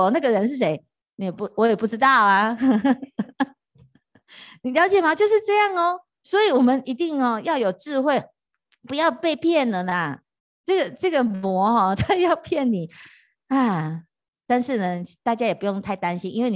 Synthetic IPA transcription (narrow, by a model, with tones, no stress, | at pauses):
ɔ˨na˥˩ɡə˩˨ɻə˧˦nʂ̬ɻ̩˥˩ʂe˧˥ɪ | ni˨˥jɛ˨˩pu˧˥wɔ˧˦jɛ˨˩pu˥˩ʈ͡ʂɻ̩˥t̪ɑ˥˩ʊɐ˩ | ni˨˩ljɑ˧ʊt͡ɕjɛ˨˩ma˨t͡ɕjo˥˧ʊʂɻ̩˥˧ʈ͡ʂɤ˥˧jɑ˥˩ŋɔ˨ | swɔ˧˦˥i˨˩wɔ˨˩mə˦nʔi˧˥t̪i˥˩ŋɔ˨jɑ˥˩ʊjo˨˩ʊʈ͡ʂɻ̩˥˧xwe˥˩ɪ | pu˧˦jɑ˥˧ʊpe˥˧ɪpʰjɛ˥˩nlə˨˩nə˩ | ʈ͡ʂɤ˥˩ɡə˩ʈ͡ʂɤ˥˩ɡə˩mwɔ˧˥hɔ˥˧t̪ʰa˥jɑ˥˧ʊpʰjɛ˥˩nni˨˩ | a˥˧˩ | t̪a˥˧nʂɻ̩˥˩nə˩t̪a˥˩t͡ɕja˥jɛ˨˩pu˧˥jo˥˧ŋt̪ʰa˥˩ɪt̪a˥nɕi˥nʔi˥nwe˥˩ɪni